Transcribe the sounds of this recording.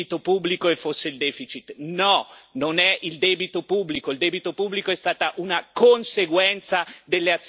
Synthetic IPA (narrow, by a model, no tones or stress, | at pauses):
it̪opubːlikoefːosːeild̪ɛːfit͡ʃit̪nɔnonɛild̪ɛːbit̪opubːlikoild̪ɛːbit̪opubːlikoɛst̪aːt̪aʔunakonseɡwɛnt̪sad̪elːeat̪sː